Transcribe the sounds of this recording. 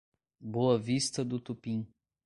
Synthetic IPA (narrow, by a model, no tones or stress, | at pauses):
boɐvist̪ɐd̪ʊt̪upĩ